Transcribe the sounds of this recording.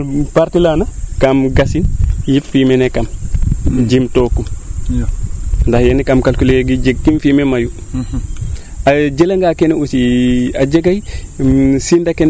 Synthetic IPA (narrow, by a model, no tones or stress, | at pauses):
paɾtilanakamɡasinjiffimɛnɛkam | d͡ʒimtɔːkːum | ndahjɛnɛkamkalkuleɡid͡ʒeɡːimfimemaju | ad͡ʒelaŋɡakeneusiad͡ʒeɡaj | sindaken